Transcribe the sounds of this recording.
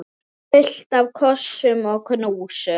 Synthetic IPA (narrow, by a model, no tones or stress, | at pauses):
pɪɬdawkʰɔʃɪmɔkʰənəwʃɛ